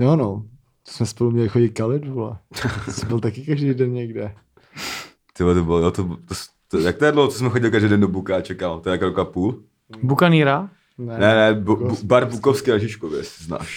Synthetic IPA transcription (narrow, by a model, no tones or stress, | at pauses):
jono | t̪o̥smɛspolumɲɛlɪxoɟɪt̪̚kalɪdvulɛsɛbɪlt̪akɪkaʒdijdɛnɲɛɡdɛ | t̪ɪblɛt̪obɪlojot̪obt̪os | t̪ojak̚t̪ojɛdlowhot͡s̪osmɛxoɟɪlɪkaʒdijdɛndobukaat͡ʃɛkalt̪oɛakɾokapuːl | bukaniːɾa | nnɛnɛbbaɾbukofskɪnaʒɪt͡ʃkovjɛszna̰ːʃ